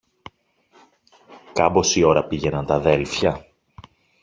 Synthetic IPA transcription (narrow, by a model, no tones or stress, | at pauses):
kɐbo̞sio̞ɾɐpiʝe̞nɐnt̪ɐðe̞lfçɐ